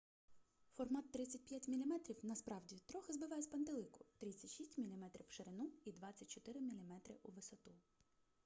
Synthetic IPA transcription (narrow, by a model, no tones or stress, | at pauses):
fɔrmɑt̪ːɾɪt͡sʲɐt̚ʲpʲjatʲmʲilʲimɛt̪ɾʲiwnɐspɾɑwdʲit̪ɾɔxɪzbɪʋɑjɛsʲpɐnt̪elˠɪkʊ̥t̪ɾɪt͡sʲɐtʲʃisʲtʲmʲilʲimɛt̪ɾʲiwʃeɾɪnuid̪ʋɑt͡sʲːɐtʲt͡ʃɔt̪ɪɾɪmʲilʲimɛt̪ɾɪʔuʋɪsɔt̪u